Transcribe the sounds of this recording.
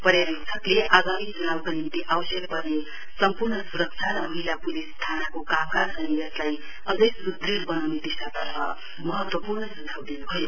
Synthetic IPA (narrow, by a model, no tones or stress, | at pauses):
pʌɾjaɾisʰʌkleʔaɡamid͡zunawkanint̪iʔawʌsjʌk̚bʌrne | sʌmpurnʌsuɾʌk̚t͡sʰaɾʌmʌɦilapulist̪ʰanakokamkaɾsʰʌnijʌslaj | ʌd͡zʌjsuɡrirbʌnawned̪isat̪ʌrmʰa̰ | mʌɦʌt̪wʌpurnʌsut̪ʰawd̪inubʱʌjo